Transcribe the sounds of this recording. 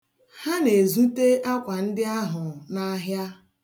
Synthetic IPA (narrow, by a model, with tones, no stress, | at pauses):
ha˦ne˨zu˦te˦ʔa˦kʷa˨n̩˦dɪ˦a˦ɦʊ˨na˦ɦja˦